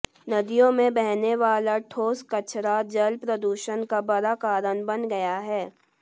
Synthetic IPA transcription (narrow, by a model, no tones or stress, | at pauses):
nɐd̪ijõmẽbɛɦneʋaːlaʈʰoːskɐt͡ʃʰɾad͡ʒɐlpɾɐd̪uːʃənkabɐɾakaːɾənbɐnɡɐjaɦɛː